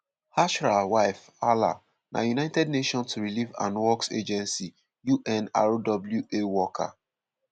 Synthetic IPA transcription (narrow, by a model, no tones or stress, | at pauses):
haʃɹawaɪf | ala̰ | nʔa̰junaɪtɛdneʃɔ̃nstuɹilivã̰nwɔksḛd͡ʒɛ̃nsi | juʔɛ̃na̰ɹodɔbljuewɔkʰa̰